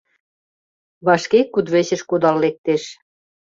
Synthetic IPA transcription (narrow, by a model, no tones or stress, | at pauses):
βɑʃkekːud̪βeɕə̆ʃkud̪ɑlːek̚t̪eʃ